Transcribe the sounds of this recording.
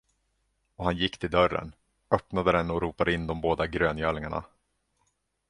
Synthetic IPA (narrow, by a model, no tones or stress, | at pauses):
ɔhanjɪkːt̪ʰɪld̪œrːə̰n | œpnad̪əd̪ɛnːɔɾuːpad̪əɪnːd̪ɔmboːd̪aɡɾøːnjœːɭɪŋaɳa̰